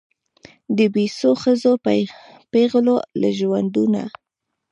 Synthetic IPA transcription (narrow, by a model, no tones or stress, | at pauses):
d̪əbesoxəzo | peɣlola̰ʒwand̪una̰